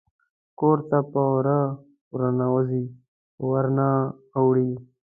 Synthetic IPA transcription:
koːɾt̪apaɾa | uɾanawazi | waɾna | awɽi

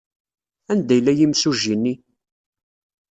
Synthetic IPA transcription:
ænd̪æjlːæjimsuʒinːi

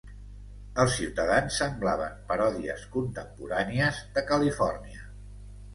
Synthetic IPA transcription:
əlˠsiwt̪əðansːəmblaβ̞ə̰mpəɾɔðiə̰skunt̪əmpuɾaniəzðəkəlifɔrniə

